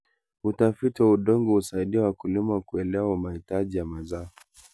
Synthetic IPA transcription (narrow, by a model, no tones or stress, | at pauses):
utafitiwauɗɔŋɡɔhusaiɗiawakulimakuɛlɛaumahitaʄijamazaɔ